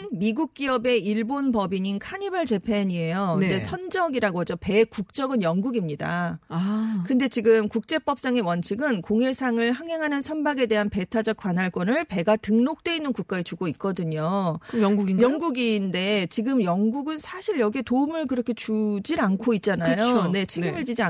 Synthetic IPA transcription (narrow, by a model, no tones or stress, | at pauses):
nmiɡuk̚k͈iʌbe̞iɭbonpʌbiɲinkʰaɲibaɭt͡ɕe̞pʰeɲie̞jodesʰʌnd͡ʑʌɡiɾaɡoɦad͡ʑope̞kuk̚t͡ɕ͈ʌɡɯnjʌŋɡuɡimɲida̰akɯnde̞t͡ɕiɡɯmkuk̚t͡ɕ͈e̞p͈ʌp̚s͈aŋe̞wʌnt͡ɕʰiɡɯnkoŋe̞sʰaŋɯɭhaŋɦe̞ŋɦanɯnsʰʌnbaɡe̞de̞ɦanpe̞tʰad͡ʑʌk̚k͈wanɦaɭk͈wʌnɯɭpe̞ɡatɯŋnok̚t͈we̞inːɯnkuk͈̚aet͡ɕuɡoit̚k͈ʌdɯɲojɡuijʌŋɡuɡinde̞t͡ɕiɡɯmjʌŋɡuɡɯnsʰaɕʰiɭjʌɡietoɯmɯɭkɯɾʌkʰe̞t͡ɕud͡ʑinankʰoit̚t͡ɕ͈anajone̞t͡ɕʰeɡɯmɯɭd͡ʑid͡ʑia